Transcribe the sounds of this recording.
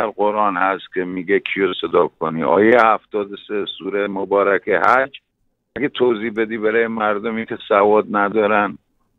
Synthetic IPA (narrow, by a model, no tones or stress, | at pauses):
æɾɢoɾʔɒːnhæst̪kʲʰemiːɡekʰijosed̪ɒːbkʰoniːʔɒ̰ːjejehæft̪ɒːd̪osesuːɾemobɒːɾækʰehæd͡ʒ | æɡet̪ʰowziːbed̪iːbæɾɒːjemæɾd̪omikʲʰesævɒːd̪̚næd̪ɒːɾæn